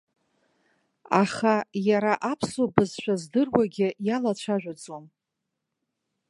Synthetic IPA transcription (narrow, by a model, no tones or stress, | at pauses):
aχajaɾaʔapʰsobɨzʃʷᶣazdɨrwaɡʲɪjalat͡ɕʷʰaʒᶣʷad͡zom